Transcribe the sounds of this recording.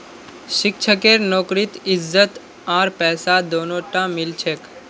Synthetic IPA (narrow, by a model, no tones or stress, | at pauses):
ʃɪkt͡ʃʰəkeɾnoːkɾit̪ɪzːət̪ | ãːɾpɛːsad̪oːnoʈãmɪlt͡ʃʰeːk